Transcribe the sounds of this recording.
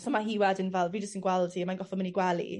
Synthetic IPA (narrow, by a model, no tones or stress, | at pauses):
sɔmaɦiwɛdənvɛlˠviːd͡ʒəstənɡwɛlˠdiəmanɡɔfɔmɪniɡwɛlˠḭ